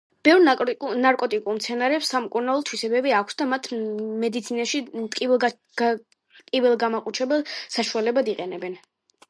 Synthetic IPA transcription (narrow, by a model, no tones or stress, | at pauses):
b̥ɛvɾnaɾkʼɔt̪ʼikʼuɾmt̪sʰɛnaɾɛpsːamkʼuɾnalˠɔt̪ʰwisɛbɛbiakʷʰsd̪amat̪ʰmɛd̪it̪sʰinaʃit̪ʼkʼi̥ | kʼivɛlˠɡamaqʼut͡ʃʰɛbɛlˠsaʃualɛbad̪iqʼɛnɛbɛn